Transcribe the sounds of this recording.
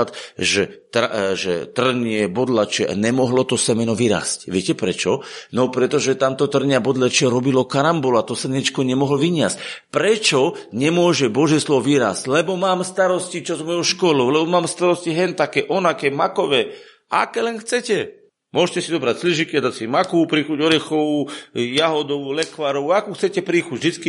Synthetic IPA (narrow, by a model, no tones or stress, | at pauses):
t̪ʒɛt̪ɾaʒɛ̰t̪r̩ɲɪɛbɔd̪lat͡ʃɛʔa̰ɲɛmɔɦlɔt̪ɔsɛmɛnɔʋiɾa̰ːscʋɪɛcɛpɾɛt͡ʃɔnɔpɾɛt̪ɔʒɛt̪amt̪ɔt̪r̩ɲɪabɔd̪lat͡ʃɪɛɾɔbilɔkaɾambɔlat̪ɔsɛɲɛt͡ʃkɔɲɛmɔɦlʋiɲɪascpɾɛt͡ʃɔɲɛmʊɔʒɛbɔʒjɛslɔʋɔʋiːɾa̰ːsclɛbɔmaːmst̪aɾɔscit͡ʃɔzmɔjɔʊʃkɔlɔʊlɛbɔmaːmst̪aɾɔsciɦɛnt̪akɛːʔɔnakɛmakɔʋɛː | ʔa̰kɛːlɛnxt͡sɛcɛ | mʊɔʃcɛsid̪ɔbɾacsliʒikiad̪acsimakɔupɾiːxuɟɔɾɛxɔujaɦɔd̪ɔulɛkʋaɾɔʊaakuxt͡sɛcɛpɾiːxuɟʒd̪it͡ski